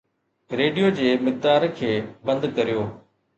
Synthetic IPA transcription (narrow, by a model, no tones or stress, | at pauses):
ɾeːɖijoːd͡ʑeːmɪk̚d̪aːɾkʰeːbɐ̃nd̪kɐɾijoː